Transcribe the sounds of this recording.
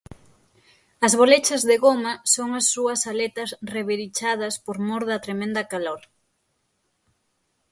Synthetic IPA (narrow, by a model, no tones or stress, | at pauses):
ɐzβolet͡ʃɐzðeɣomɐsoŋɐsːuɐsalet̪ɐsreβeɾit͡ʃað̞ɐspoɾmoɾðɐt̪ɾemẽnd̪ɐkalɔl